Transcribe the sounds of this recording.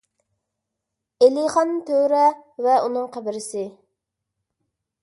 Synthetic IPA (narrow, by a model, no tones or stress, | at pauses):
eliχɑnt̪ʰøɾɛvɛunɨŋqʰæbɪɾɪsɪ